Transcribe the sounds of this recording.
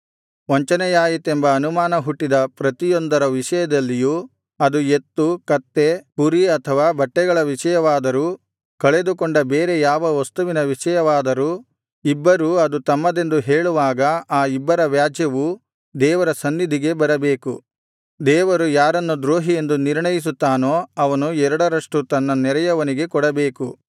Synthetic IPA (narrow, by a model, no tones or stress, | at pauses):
ʋɐɲt͡ʃɐnɛjaːjit̪embɐːnumaːnɐɦuʈːid̪ɐpɾɐt̪ijond̪ɐɾɐʋiʂɐjɐd̪ɐlːiju | ɐd̪ue̞t̪ːukɐt̪ːe̞puɾiɐt̪ʰɐʋaːbɐʈːɛɡɐɭɐʋiʂɐjɐʋaːd̪ɐɾu | kɐɭe̞d̪ukoɳɖɐbeːɾe̞jaːʋɐʋɐst̪uʋinɐʋiʂɐjɐʋaːd̪ɐɾu | ibːɐɾuɐd̪ut̪ɐmːɐd̪e̞nd̪uɦeːɭuʋaːɡɐaːibːɐɾɐʋjaːd͡ʒjɐʋu | d̪ɛːʋɐɾɐsɐnːid̪ʱiɡe̞bɐɾɐbeːku | d̪ɛːʋɐɾujaːɾɐnːud̪ɾoːɦije̞nd̪uniɾɳɐjis̬ut̪ːaːnoːɐʋɐnuɛɾɐɽɐɾɐʂʈut̪ɐnːɐnɛɾɐjɐʋɐniɡe̞kɔɽɐbe̞ːku